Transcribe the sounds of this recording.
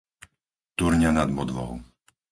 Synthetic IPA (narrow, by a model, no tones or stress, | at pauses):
t̪uɾɲanad̪mɔd̪ʋɔ̰ʊ